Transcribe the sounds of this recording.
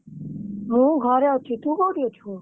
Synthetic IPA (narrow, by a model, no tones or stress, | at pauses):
mũːɡʱaːɾjaːt̪ʰiːt̪uːkoːɽjoːt͡ʃʰuː